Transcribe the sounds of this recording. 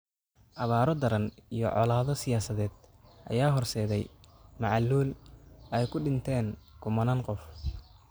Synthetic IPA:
ʔɐβaːɾɔd̪ɐɾɐnḭjɔ̰ʕɔ̰laːðɔsɪjaːsɐðɛːd̪ʔɐ̰jaːɦɔrsɛːðɛjmɑʕɑlːuːlʔɛjkʰʊɖɪnt̪ʰɛːnkʰʊmɐnaːnqɔf

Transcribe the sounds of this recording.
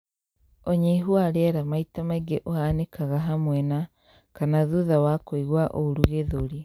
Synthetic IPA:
ɔɲeɦwaɾɛɾamaitamaiɡeʔoanekaɣaɦamwɛna | kanaðuðawakoiɣwaʔoɾuɣeðoɾi

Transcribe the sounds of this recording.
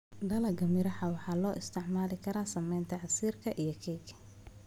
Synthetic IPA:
ɖɐlɐɡɐmɪɾɐħɐwɑħɑːlɔːʔɪst̪ʰɪʕmaːlɪkʰɐɾaːsɐmɛjnt̪ʰɐʕɑsiːrkʰɐʔijɞkʰɛjɡɐ

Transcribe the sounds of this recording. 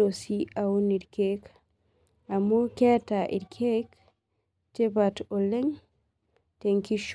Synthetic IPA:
osiawuniɾkek | amukɛtaʔḭɾkʰek | t͡ʃɛbatɔlɛŋ | teŋkiʃ

